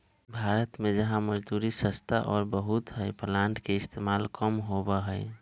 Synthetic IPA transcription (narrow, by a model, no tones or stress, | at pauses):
bʱaːɾət̪mẽd͡ʒəɦãməd͡ʒd̪uːɾisəst̪ʰaʔɔːɾbəɦut̪ɦəɪpəlãːɳʈkeɪst̪ʰeːmaːlkəmɦobəɦəɪ